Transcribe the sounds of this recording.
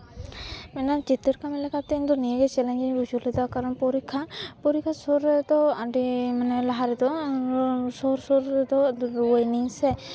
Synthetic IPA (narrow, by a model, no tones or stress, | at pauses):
mɛnat͡ʃit̪iɾkamɛlɛkat̪ɛind̪ɔnieɡɛt͡ʃɛlɛɲd͡ʒiɡud͡ʒuɾlɛd̪akaɾɔnpɔɾikʰːapɔɾikʰːasɔɾɛd̪ɔaɖimanɛlaɦaɾɛd̪ɔ | sɔɾsɔɾd̪ɔwɔjniŋsɛ